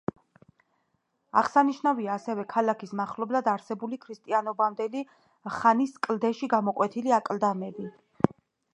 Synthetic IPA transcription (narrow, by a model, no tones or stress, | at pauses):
a̰ʁsaniʃnaviaːsɛvɛkʰalakʰismaχlɔblad̪aɾsɛbulikʰɾist̪ʼianɔbamd̪ɛli | χaniskʼld̪ɛʃiɡamɔkʼwɛt̪ʰiliakʼld̪amɛbi